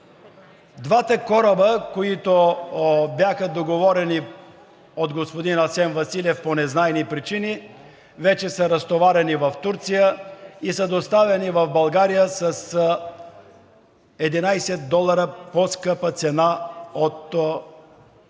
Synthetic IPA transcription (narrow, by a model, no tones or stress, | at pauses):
d̪vat̪ɐkɔɾəbəkoit̪o | bjaxəd̪oɡovɔɾɛni | ot̪ɡospod̪inɐsɛnvɐsilʲɛfponɛznaɛmipɾit͡ʃini | vɛt͡ʃɛsəɾəst̪ovaɾɛnivɐft̪uɾt̪sijəisəd̪ost̪avɛnivɐvbɐlˠɡaɾijəsəs | ɛd̪inajsɛt̪̚d̪ɔlˠɐɾəposkəpət̪sɛnaot̪